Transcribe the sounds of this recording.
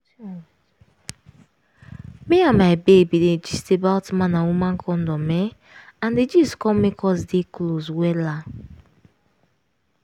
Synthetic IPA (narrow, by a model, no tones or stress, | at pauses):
meamaɪbebided͡ʒistebawtmãnawumãŋ̩kʰɔn̩dɔmɛ | ãnded͡ʒiskɔmekɔsdekloswɛla